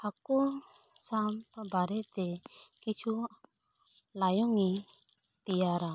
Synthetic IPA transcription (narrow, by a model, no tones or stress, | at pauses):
akɔ | sampbaɾɛt̪ɛkit͡ʃʰu | lajɔŋi | t̪ijaɾa